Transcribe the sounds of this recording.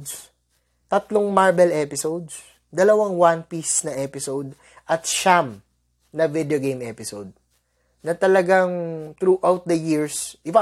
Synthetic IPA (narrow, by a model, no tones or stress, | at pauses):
ds | t̪ɐt̪loŋmaɹbɛlʔɛpɪsowd̪s | d̪ɐlɐwaŋwanpisnɐʔɛpɪsowd̪̚ | ʔɐt̪ʃam | nɐvɪd̪eoɡejmʔɛpɪsowd̪̚ | nɐt̪ɐlɐɡaŋt̪ɾuʔawt̪̚d̪ɐjiɹsʔɪba